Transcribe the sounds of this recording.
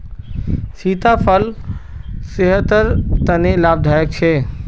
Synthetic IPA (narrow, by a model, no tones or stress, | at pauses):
siːt̪afʰəl | sɪɦət̪əɾt̪ɐnelaːb̚d̪ʱaːjək̚t͡ɕʰeː